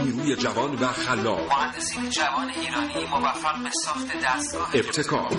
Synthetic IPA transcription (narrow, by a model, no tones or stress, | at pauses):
niːɾuːjed͡ʒævɒːnvæxælːɒ̰ːmohænd̪esiːned͡ʒævɒːnejeɾɒːnimovæfːæɣbesɒːxt̪ʰed̪æst̪̚ɡɒːɦeeb̚t̪ʰe̞kʰɒ̰ːɾ